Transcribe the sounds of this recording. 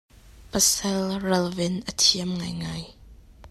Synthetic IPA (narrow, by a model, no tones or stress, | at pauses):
pəsɛlrɐlvɪnʔətʰiəmŋajŋaːj